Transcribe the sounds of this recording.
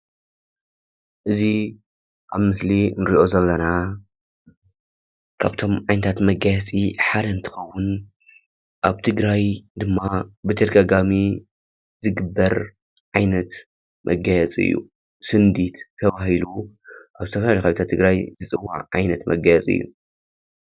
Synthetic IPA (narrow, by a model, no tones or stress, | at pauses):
ʔɨzi | ʔaβmɨslinɨɾiʔo̞zɐlːɐna | kʰa̰βt̪ʰo̞mʕajnɐt̪ʰat̪mɐɡajɛt͡sʼiħad̪ɐnt̪ʰɨ̥xɐwːʊn | ʔaβt̪ʰɨɡɾajd̪ɨmːabɨt̪ʰɐd̪ɐɡaɡami | zɨɡɨbːɐɾ | ʕajnɐt̪ | mʔɐɡajɛt͡sʼɨ̰jːṵ | sɨnd̪it̪t̪ʰːɐβahiluʔaβzɨt̪ʰɐfɐlalixawit̪ʰat̪ʰːɨɡɾajzɨt͡sʼɨwːa̰ʕʕa̰jnɐt̪mɐ̰ɡajɛt͡sʼɨ̰jːṵ